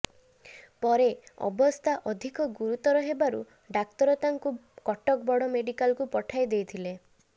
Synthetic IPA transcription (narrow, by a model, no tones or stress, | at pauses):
pɔɾeɔ̰bɔst̪ʰaʔɔd̪ʱikɔɡuɾut̪ɔɾɔɦebaɾu | ɖakt̪ɔɾɔt̪aŋkukɔʈɔkbɔɽɔmeɖikalkupɔʈʰajd̪ejt̪ʰile